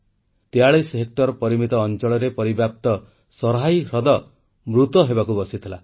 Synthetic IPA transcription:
t̪eaɭesɦek̚ʈɔɾɔpɔɾimit̪ɔːnt͡ʃɔɭɔɾepɔɾibjap̚t̪ɔ | sɔɾɦajɾɔd̪ɔ | mɾut̪ɔɦebakubɔsit̪ʰila

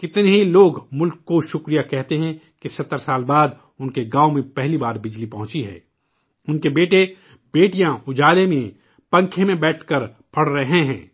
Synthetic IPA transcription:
kɪt̪neɦiloːɡmʊlkːoʃʊkɾijakɛɦt̪eɦɛ̃ | kisɐt̪ːəɾsaːlbaːd̪ | ʊnkeɡãːomẽpɛɦlibaːɾbɪd͡ʒlipɐɦʊ̃t͡ʃiɦɛ̰ː | ʊnkebeːʈe | beːʈijãʊd͡ʒaːlemẽ | pɐ̃ŋkʰemẽbɛːʈʰkɐɾ | pʰɐɽɾɐɦeɦɛ̰̃ː

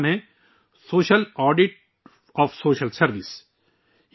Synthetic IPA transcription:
mɦẽ | soːʃəlɔːɖɪʈ̚ | ɔːfsoːʃəlsɐɾʋɪs

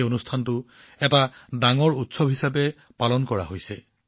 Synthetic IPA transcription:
onustʰantʊ | ɛtadaŋɔɹutsɔbʱɦisapɛ | palɔnkɔɹa̰ɦojsɛ

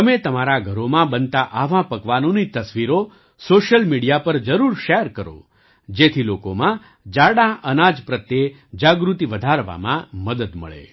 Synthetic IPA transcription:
t̪əmet̪əmaɾaɡʱəɾomãbənt̪aʔaʋãpəɡʋanonit̪əsʋiɾo | soʃəlmiɽijapəɾd͡ʒəɾuɾʃɛɾkəɾo̰ | d͡ʒet̪ʰilokomã | d͡ʒaɽãʔənad͡ʒpɾət̪je | d͡ʒaɡɾut̪iʋəd̪ʱaɾʋa̰mã̰məd̪əd̪mə̰ɭḛ

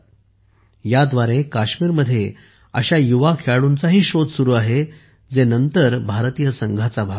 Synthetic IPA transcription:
jad̪ʋaɾekaɕmiːɾməd̪ʱːje | əɕajuʋakʰeaɽunt͡saɦiːɕod̪suɾuːaɦe | d͡zenənt̪əɾbʱaɾt̪ijəsəŋɡʱat͡sabʱa

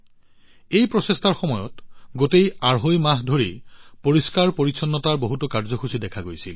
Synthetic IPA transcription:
ejpɹɔsestʰaɹxɔmɔjɔ̰tɡotejaɹɦojmaɦdʱoɹipoɹiskaɹpoɹisʰɔnːɔtaɹboɦutɔkaɹzɔxusidɛkʰaɡojsil

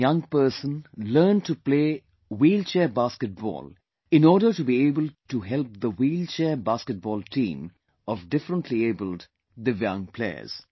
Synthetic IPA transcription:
jʌ̃ŋpəːsə̃nləːnʈupleː | wiːlt͡ʃɛːbaskəʈ̚bɔ̰ːl | ɪ̃nɔːɾɖəʈubieːbəlʈuɦɛlp̚d̪əwiːlt͡ʃɛːbaːskəʈ̚bɔːlʈʰḭ̃ːm | ɔvɖɪfɾə̃nʈʰlieːbəl | d̪ɪvjãŋpʰlḛə̰z̥

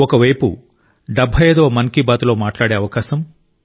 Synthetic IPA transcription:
ɔkɐʋɐjpṵ | ɖɐbʱːɐjɐd̪oːmɐnkibaːt̪ulo̞ːmaːʈlaːɽeːɐʋɐkaːʃɐm

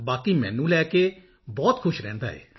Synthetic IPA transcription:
baːkiːmɛ̰̃ːnũːlɛːkeː | bɔːt̪kʰʊʃɾɛ̃ːnd̪a̰ːɦɛ̰ː

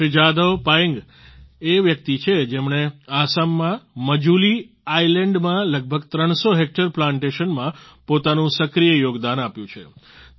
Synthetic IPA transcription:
ʃɪd͡ʒad̪əʋpajəŋɡ | eʋjək̚t̪it͡ʃʰed͡ʒemɳ̃easamːãməd͡ʒuli | ailẽɳɖmãləɡ̚bʱəɡt̪ɾəɳ̃soɦek̚ʈəɾplãɳʈeʃənmãpot̪anũsəkɾijəjoɡd̪anapjũt͡ʃʰe

